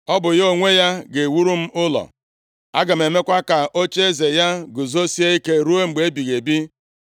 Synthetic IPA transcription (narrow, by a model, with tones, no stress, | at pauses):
ɔ˦bʊ˨jo˦˨ŋʷe˦ja˦ɡe˨wu˦ɾu˦m̩˦ʊ˦lɔ̰˨ | a̰˦ɡa˨me˨me˦kʷa˦ka˨ʔo˦t͡ʃe˦ze˨ja˦ɡʊ˨zo˦si˦e˦i˦ke˦ɾu˦o˦ŋ͡m̩˨ɡ͡be˨e˦bi˨ɣe˨bi˦